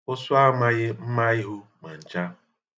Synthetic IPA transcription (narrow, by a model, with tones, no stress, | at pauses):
ʊ˦sʊ˦a˦ma˦ɣɪ˦m̩˦ma˦i˦ɦʊ˦ma˨n̩˨t͡ʃa˦